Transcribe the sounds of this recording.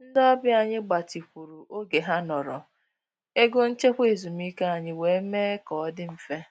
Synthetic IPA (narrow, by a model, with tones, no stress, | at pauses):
n̩˦dɔ˦bja˨ɲɪ˦ɡ͡ba˨ti˨kʷu˨ɾu˨ʔo˦ɡe˨ɦa˦nɔ˨ɾɔ̰˨ | e˦ɡʊ˦n̩˦t͡ʃe˦xʷe˨zu˨mi˦ke˦a˨ɲɪ˦we˨˦meː˦kɔ˨ɔ˦dɪ˦m̩˨fe˦